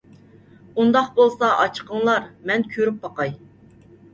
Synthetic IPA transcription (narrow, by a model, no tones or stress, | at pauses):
und̪ɑqbolˠsɑʔɑt͡ʃʰqʰəŋlˠɑɾmɛnkʲʰøɾyp̚bɑqɑj